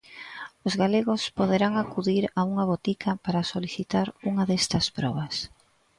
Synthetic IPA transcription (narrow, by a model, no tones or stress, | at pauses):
ʊzɣaleɣʊspoðeɾaŋakuðiɾauŋɐβ̞ot̪ikʰɐpaɾasoliθit̪aɾuŋɐðest̪ɐspɾɔβ̞ɐs